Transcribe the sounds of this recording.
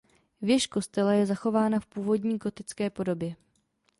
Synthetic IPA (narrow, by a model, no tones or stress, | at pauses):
vjɛʃko̞st̪ɛlajɛzaxo̞vaːnafpuːvo̞dɲiːɡo̞t̪ɪt͡skɛːpo̞do̞bjɛ